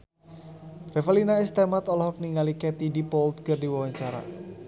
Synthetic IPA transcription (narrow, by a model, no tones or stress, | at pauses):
refalinaist̪ɛmat̪ɔlɔhɔk̚niŋaliket̪idipɔlt̪̚kərdiwawaɲt͡ʃaɾa̰